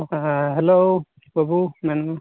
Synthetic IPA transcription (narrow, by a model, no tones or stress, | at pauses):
ɦɛlo | babumɛnu